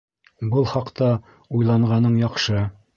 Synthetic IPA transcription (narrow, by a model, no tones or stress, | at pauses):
bɤlˠχɑqt̪ɑ | ujlˠɑɴʁɑnɤɴjɑqʃɤ